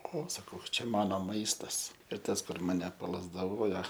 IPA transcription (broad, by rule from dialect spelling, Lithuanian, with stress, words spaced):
ˈoː sɐˈkɐʊ ˈt͡ʃʲɛ ˈmɑːnoː ˈmɐɪstɐs ɪr ˈtɐs kʊr ˈmɑːnʲɛ pɐlˠɐzdɐˈʋoːjoː